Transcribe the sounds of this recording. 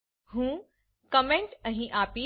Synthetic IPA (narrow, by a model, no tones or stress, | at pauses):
hũː | kɐmẽɳʈɐ̃ɦĩʔaːpi